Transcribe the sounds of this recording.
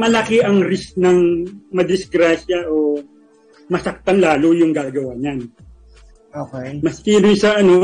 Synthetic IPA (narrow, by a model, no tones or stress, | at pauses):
mɐlɐkɛʔɐŋɾɪsnɐŋmɐd̪ɪsɡɾaːʃɐʔo | mɐsɐk̚t̪ɐnlaːlojʊŋɡaːɡɐwaːɲan | okejmɐskiːnʊjsɐʔɐno̞